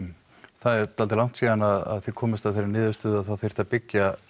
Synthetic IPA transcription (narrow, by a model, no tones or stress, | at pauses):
θaðɛɾt̪alt̪ɪlawŋ̥t̪siːðanaða̰ðθikʰɔːmɪst̪avθejɾɪnɪːðʏst̪ʏːðaðθaðθej̥t̪apɪcːa